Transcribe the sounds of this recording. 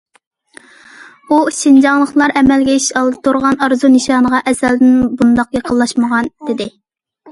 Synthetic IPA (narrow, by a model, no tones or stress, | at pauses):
uʃind͡ʒɑŋlˠəχlˠɑɾʔɛmɛlɡʲɛiʃʃɑlˠd̪ɨt̪ʰuɾʁɑnɑɾzunɨʃɑːnəʁɑʔɛsæld̪ɪnbund̪ɑqjɑqʰəlˠːɑʃməʁɑnd̪̥ɪd̪ɪ